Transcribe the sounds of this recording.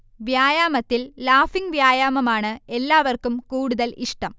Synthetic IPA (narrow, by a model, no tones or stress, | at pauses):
ʋjaːjaːmɐt̪ːilːaːfiŋɡʋjaːjaːmɐmaːɳɨe̞lːaːʋɐrkumkuːɽuðɐliʂʈɐm